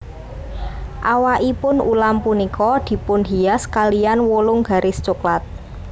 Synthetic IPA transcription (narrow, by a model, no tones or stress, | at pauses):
ʔawaʔipʊnulampunikɔd̪̥i̤pʊnɦiaskalianwolʊŋɡa̤ɾʔɪst͡ʃuklat̪̚